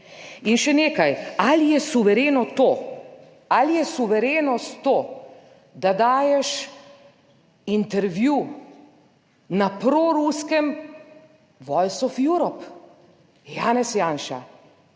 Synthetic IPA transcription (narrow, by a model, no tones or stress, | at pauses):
inʃɛneːkajalijɛsuʋɛɾeːnɔt̪oː | alijɛsuʋɛɾeːnɔst̪t̪oː | d̪ad̪aːjɛʃ | int̪ɛɾʋju | napɾoɾuskɛm | ʋɔjsɔfjuɾɔp | jaːnɛsjaːnʃa̰